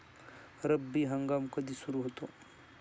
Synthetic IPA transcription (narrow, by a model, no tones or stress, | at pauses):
ɾəbːiɦɐ̃ŋɡaːmkɐd̪isuɾuɦot̪oː